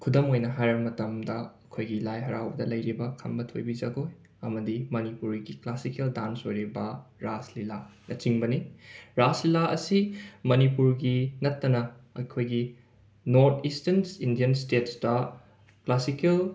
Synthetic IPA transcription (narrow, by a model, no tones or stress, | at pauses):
kʰudɐmojnɐɦajɾɐbɐmɐtɐmdɐɐkʰojɡilajɦɐɾawbɐdɐlɐjɾibɐkʰɐmbɐtʰo̰jbid͡ʒɐɡoj | ɐmɐdimɐnipuɾɡiklasikeldansojɾibɐɾaslilanɐt͡ʃiŋbɐniɾaslilaʔɐ̰simɐnipuɾɡinɐtːɐnɐɐ̰kʰojɡi | noɾt̪ʰistensindijɐnstetsdɐ | klasikel